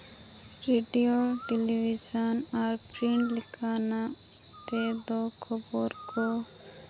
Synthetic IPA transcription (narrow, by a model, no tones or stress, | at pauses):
ɾiɖijoʈɛliʋid͡ʒənaɾpɾiɳʈlɪkʰaːna | t̪ed̪okʰɔboɾko